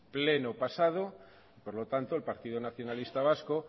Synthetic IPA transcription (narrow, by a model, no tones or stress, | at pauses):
ple̞nopasað̞o | ipoɾlo̞t̪ant̪oelpaɾt̪iðonaθjonalist̪aβ̞asko